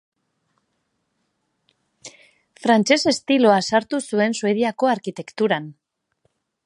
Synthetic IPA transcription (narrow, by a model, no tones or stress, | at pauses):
fɾant͡ʃe̞se̞st̪ilo̞asaɾt̪usue̞nsue̞ðiako̞aɾkit̪e̞kt̪uɾan